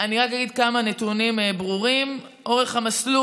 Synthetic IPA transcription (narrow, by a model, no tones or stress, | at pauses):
aniʁakaɡid̪kamane̞tunimebʁuʁimʔo̞ʁe̞χhamaslu